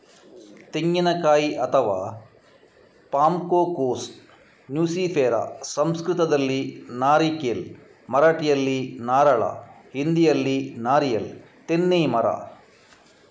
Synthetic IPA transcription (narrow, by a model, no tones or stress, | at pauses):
t̪iŋɡinɐkaːjiʔɐt̪ʰɐʋaː | paːmkoːkoːsʈ | njuːsiːfʰeːɾa̰sɐmskɾɨt̪ɐd̪ɐlːinaːɾikeːl | mɐɾaːʈijɐlːinaːɾɐɭa̰ | hind̪ijɐlːinaːɾijɐl | t̪enːiːmɐɾa̰